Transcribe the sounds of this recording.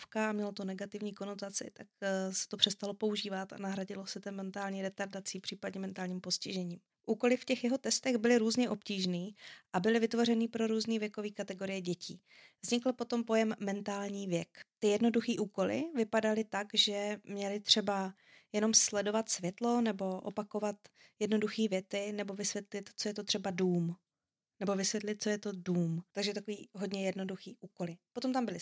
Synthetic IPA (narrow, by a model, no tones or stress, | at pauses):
fkaamɲɛlat̪onɛɡat̪ɪvɲiːko̞not̪at͡sɪ̰t̪ak̚sɛ̥t̪opr̥ɛst̪alopo̞uʒiːvat̪a̰naɦɾaɟɪlosɛt̪ɛmɛnt̪aːlɲiːɾɛt̪aɾdat͡siːpr̥iːpadɲɛmɛnt̪aːlɲiːmpo̞scɪʒɛɲiːm | ʔuːko̞lɪfcɛxjɛɦo̞t̪ɛst̪ɛɣbɪlɪɾuːzɲɛʔo̞pciːʒniːʔabɪlɪvɪt̪vo̞rɛniːpɾo̞ɾuːzniːvjɛko̞viːkat̪ɛɡo̞ɾɪjɛɟɛcḭː | vzɲɪkl̩po̞t̪o̞mpo̞jɛmːɛnt̪aːlɲiːvjɛkt̪ɪjɛdno̞duxiːʔuːko̞lɪ̰vɪpadalɪt̪akʒɛmɲɛlɪt̪r̥ɛba | jɛno̞mslɛdo̞vat̪svjɛt̪lo̞nɛbo̞ʔo̰pako̞vat̪ | jɛdno̞duxiːvjɛt͡sɪnɛbo̞vɪsvjɛt̪lɪt̪t͡sojɛt̪ot̪r̥ɛbaduːm | nɛbo̞vɪsvjɛt̪lɪt̪̚t͡sojɛt̪o̞duːmt̪aɡʒɛt̪akoviːɦo̞dɲɛjɛdno̞duxiːʔuːko̞lɪpot̪omt̪ambɪlɪ